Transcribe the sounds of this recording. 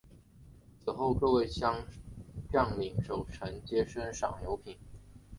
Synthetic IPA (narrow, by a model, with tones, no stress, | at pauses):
t͡sʰɹ̩˨˩xo˥˧ʊkɤ˥˧we˥˧ɪɕjɑ˥ŋpjɑ˥˩ŋli˨˩ŋʂo˨˩ʊʈ͡ʂʰə˧˥ŋt͡ɕjɛ˥ʂə˥nʂɑ̰˨˩ŋjo˧˥ʊpʰi˨˩˦n